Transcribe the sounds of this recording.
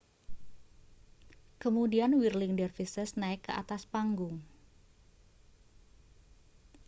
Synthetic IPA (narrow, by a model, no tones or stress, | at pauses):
kəmudianwirlɪŋdərfisəsnaɪkːəa̰t̪aspaŋɡʊŋ